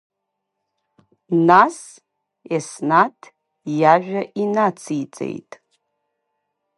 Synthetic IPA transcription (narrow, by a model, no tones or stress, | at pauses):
nas | esnatʰ | jaʒʷᶣaʔinat͡sʰijt͡sʼḛjtʼ